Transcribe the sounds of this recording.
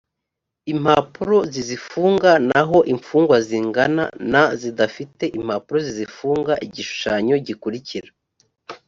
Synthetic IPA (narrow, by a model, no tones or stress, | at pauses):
im̥hapuɾo̞zizifuːŋɡanaɦo̞ʔiɱfuːŋɡwaziːŋɡana̰nazidafite̞ʔim̥hapuɾo̞zizifuːŋɡaʔiɟiʃu̥ʃaɲo̞ɟikuɾiciɾa